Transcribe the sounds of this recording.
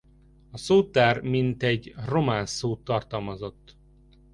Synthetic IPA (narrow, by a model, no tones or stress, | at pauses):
ɒsoːt̪ːaːrmint̪ɛɟro̞maːnsoːt̪ːɒrt̪ɒlmɒzo̞t̪ː